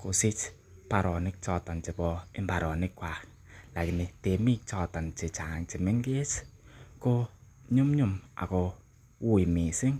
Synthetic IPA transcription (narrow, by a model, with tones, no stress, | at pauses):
ko˨sɪ˦t͡ʃ | pa˨ɾɔ˨nɪ˦k̚t͡ʃɔ˦˧ta˨nt͡ʃi˨bɔ˨ɪ˦mba˨ɾɔ˨nɪ˦kːwa˨ | la˨kɪ˨nɪ˨te˨mi˦k̚t͡ʃɔ˦˧ta˨nt͡ʃe˨t͡ʃa˨ŋt͡ʃi˨mɪ˦ŋɡe˦sko˦ | ɲu˦mɲu˦ma̰˨ko˨ | wu˦i˨mi˨sɪ˦ŋ